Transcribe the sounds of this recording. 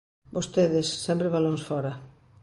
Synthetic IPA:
bost̪eðɪsːɛmpɾeβalõnsfɔɾɐ

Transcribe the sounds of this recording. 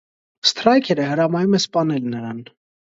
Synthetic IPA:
st̪ɾɑjkʰɛɾɛhəɾɑmɑjumɛspɑnɛlnəɾɑn

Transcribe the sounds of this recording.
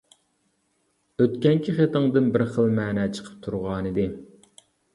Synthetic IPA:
øt̪kʲɛŋkʲʰiχet̪əŋd̪ɨnbɪɾχəlˠmæːnɛt͡ʃʰə̥qʰə̥p̚t̪ʰuɾʁɑːnɨd̪ɪ

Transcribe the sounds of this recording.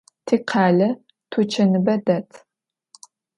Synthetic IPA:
tʰiːqʰɑːɮɐ | tʰut͡ʃʰɐnɨbɐdɐtʰ

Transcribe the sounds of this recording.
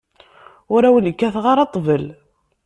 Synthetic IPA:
ʊɾæwələkːæθʁɑɾˤɑt̪ˤːvəl

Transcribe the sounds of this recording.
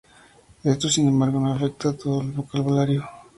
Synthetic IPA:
et̪usinemaɾɣonafek̚t̪at̪ulβokalβolaɾio

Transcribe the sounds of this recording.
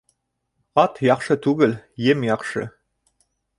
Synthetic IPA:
ɑt̪jɑχʃɤt̪ʉɡɘljemjɑχʃɤ̰

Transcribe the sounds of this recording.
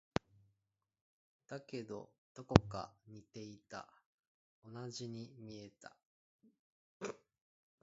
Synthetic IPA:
d̪̥ake̞d̪o̞̰d̪̥o̞ko̞ka̰ɲ̟it̪e̞it̪a̰ | o̞naʑiɲ̟imʲie̞t̪a̰

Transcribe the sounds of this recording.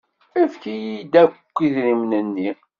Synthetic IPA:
ifkijid̪ækʷːiðɾimnənːi

